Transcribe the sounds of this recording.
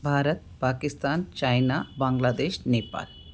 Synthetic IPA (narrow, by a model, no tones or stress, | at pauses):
bʱaːɾət̪̚paːkist̪aːnt͡ʃajnaːbaːŋɡlaːd̪eːʃneːpa̰ːl